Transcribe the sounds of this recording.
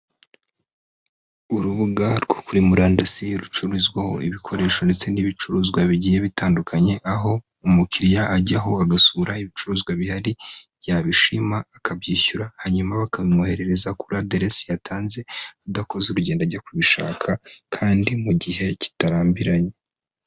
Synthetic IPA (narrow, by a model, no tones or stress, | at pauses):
uɾuβuɡaɾɡo̞kuɾimuɾaːndasiɾut͡ʃuɾizɡwaho̞̰ḭβikʰo̞ɾe̞ːʃo̞nde̞t͡se̞niβit͡ʃuɾuːzɡwaβiɟijeβitaːndukʰaɲe̞ʔaɦo̞ | umukiɾijaːɟaɦo̞aɡasuɾaiβit͡ʃuɾuːzɡwaβihaɾiβɟaβiʃimaːkʰabɟiːçuɾahaɲumaβakaβimuhe̞ɾe̞ɾe̞zakuɾadeɾesijatʰaːnze̞adako̞zeɾuɟe̞ːndaɟakuβiʃa̰ːkʰakʰaːndimuɟihe̞ci̥taɾaːmbiɾaɲe